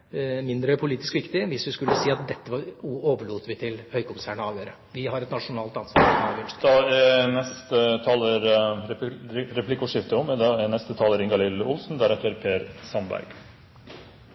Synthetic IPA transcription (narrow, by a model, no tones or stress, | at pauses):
mɪnd̪ɾəpʰʊliːt̪ɪskʋɪkt̪ɪʋɪsʋɪskʉlːəsiːɑt̪̚d̪ɛt̪ːəʋɑɾoːʋəɭuːt̪ʋɪt̪ʰɪlhœʏkʊmsæːɳəɑːʋjøːɾə | ʋɪɦɑɾɛt̪nɑʂʊnɑːlt̪ɑnsɑ̰ɔmɑːʋjøʈd̪ɑɛnɛst̪ət̪ʰɑːləɾ | ɾɛpʰlɪkʊʂɪft̪əɔmd̪ɛnɛst̪ət̪ʰɑːləɾɪŋɡɑlɪlʊlsn̩d̪æɾɛt̪ːəɾpʰeːɾsɑmbæ̰ɾɡ̥